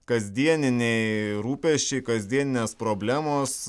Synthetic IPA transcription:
kɐzʲd̪ʲiɛnʲɪnʲɛɪɾuːpʲɛʃʲt͡ʃʲɛɪkɐzʲd̪ʲiɛnʲɪnʲeːspɾoːbʲlʲæːmoːs

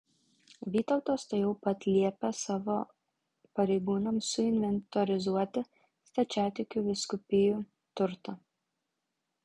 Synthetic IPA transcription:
ʋʲiːt̪ɐʊt̪oːst̪ɐɪjɛʊpɐt̪ʲlʲiɛpʲɛsɑːʋo | pɐɾʲɛɪɡuːnɐmsʊɪnʲʋʲɛnt̪ɔɾʲɪzuɔt̪ʲɪ | st̪ɐt͡ʃʲæːt̪ʲɪkʲuːʋʲɪskʊpʲɪjuː | t̪ʊɾt̪ɐ

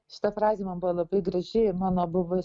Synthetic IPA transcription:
ʃʲɪ̥t̪ɐfɾɑːzʲeːmɐnbʊʋoːlˠɐbɐɪɡɾɐʒʲɪɪmɑːnoːbʊʋʊ

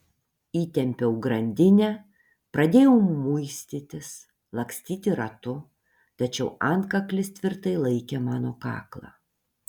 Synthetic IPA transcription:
iːt̪ʲɛmʲpʲɛʊɡɾɐnʲd̪ʲɪnʲɛ | pɾɐd̪ʲeːjɛʊmʊɪsʲt̪ʲiːt̪ʲɪs | lˠɐksʲt̪ʲiːt̪ʲɪɾɐt̪ʊ | t̪ɐt͡ʃʲɛʊʔɐnkɐklʲɪst̪ʲʋʲɪɾt̪ɐɪlˠɐɪkʲemɑːnoːkɑ̰ːklˠɑ̰ː

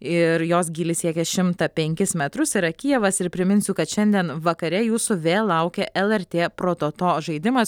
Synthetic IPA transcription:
ɪɾjoːs̬ɡʲiːlʲɪsʲiɛkʲɛʃʲɪmt̪ɐpʲɛŋʲkʲɪsmʲɛt̪ɾʊsɪɾɐkʲijɛʋɐsɪɾpʲɾʲɪmʲɪnʲsʲʊkɐt̪ʃʲɛnʲd̪ʲiɛnʋɐkɐɾʲɛjuːsʊʋʲeːlːɐʊkʲɛʔɛlˠɛɾʲt̪ʲeːpɾoːt̪oːt̪oːʒɐɪd̪ʲɪmɐs

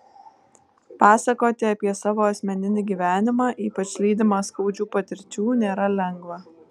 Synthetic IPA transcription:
pɑːsɐkoːt̪ʲɪɐpʲiɛsɑːʋoːɐsʲmʲɛnʲɪnʲɪɡʲiːʋʲæːnʲɪmɑːʔiːpɐt͡ʃʲlʲiːd̪ʲɪmɑːskɐʊd͡ʒʲuːpɐt̪ʲɪɾʲt͡ʃʲuːnʲeːɾɐlʲɛŋɡʋɐ

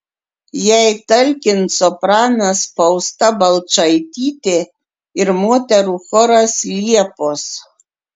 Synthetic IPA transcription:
jɛɪt̪ɐlʲkʲɪnt̪sɔpɾɑːnɐspɐʊst̪ɐbɐlˠt͡ʃɐɪt̪ʲiːt̪ʲɪ | ɪɾmoːt̪ʲɛɾuːxɔɾɐslʲiɛpos

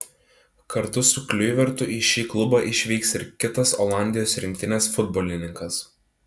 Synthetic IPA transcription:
kɐɾt̪ʊsʊklʲʊjʋʲɛɾt̪ʊʔiːʃʲiːklˠʊbɑːʔɪʃʲʋʲiɪksɪɾkʲɪt̪ɐsoːlˠɑˑnʲd̪ʲɪjoːsɾʲɪŋʲk̚ʲt̪ʲɪnʲeːsfʊd̪boːlʲɪnʲɪŋkɐs

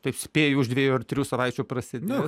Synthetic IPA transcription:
t̪ɐɪpsʲpʲeːjʊʊʒd̪ʋʲeːjuɐrt̪ʲɾʲuːsɐʋɐɪt͡ʃʲʊpɾɐsʲɪd̪ʲe

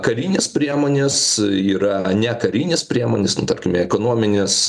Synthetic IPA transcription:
kɐɾʲiːnʲɪspʲɾʲiɛmoːnʲesiːɾɐnʲɛkɐɾʲiːnʲɪspʲɾʲiɛmoːnʲɪsnʊt̪ɐrʲkʲɪmʲɛɛkoːnoɔmʲɪnʲes

